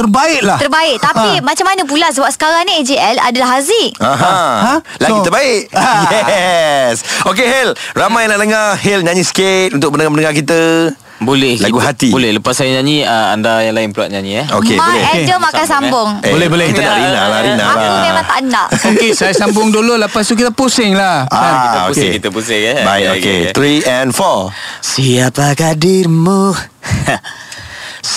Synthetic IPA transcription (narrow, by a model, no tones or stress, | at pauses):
t̪ərbaɪʔlaht̪ərbaɪʔ̚t̪apimat͡ʃamːanəp̬ulas̬əbap̚sə̥kaɾanied͡ʒiɛla̰dalaɦaziaɦã | laɡut̪ərbaɪʔjɛ | sokeɦelramajlaləŋahɪlɲãɲĩsə̥ket̪̚unt̪ʊk̚mənə̃ŋamənəŋakit̪ə | bolɛhlaɡuhat̪ibolɛhləpasːajaɲãɲĩəa̰ndajaŋlaɪnpluaʔ̪̚ɲaɲĩaokebolɛd͡ʒəmaskasambʊŋbolɛhbolɛhkit̪ənaʔɾinalaɾinalaɛaaʔnaʔokesajasambʊŋdololəpas̬t̪uk̬it̪əposɪŋlahaankiəpoukeŋkit̪əpusɪŋɛbaɪokḛt̪ɾiɛnfɔsiapakadɪmə